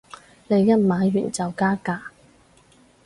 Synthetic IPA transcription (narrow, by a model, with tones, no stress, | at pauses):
le˨˧jːɐ˥t̚maː˨˧jy̰ː˨˩nt͡sɐ˨wkaː˥kaː˧˥